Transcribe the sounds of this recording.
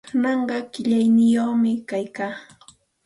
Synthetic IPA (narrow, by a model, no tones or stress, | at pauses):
ʊnɑɴɢɑkɪʎajnɪjoχmɪkajkaː